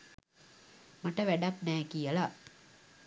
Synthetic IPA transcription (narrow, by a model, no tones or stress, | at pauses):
maʈəʋæɖaknæːkijəla